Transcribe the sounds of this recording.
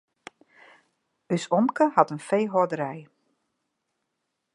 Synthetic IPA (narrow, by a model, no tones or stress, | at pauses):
ysɔmkəhɑtənfejɦɔdəɾɛj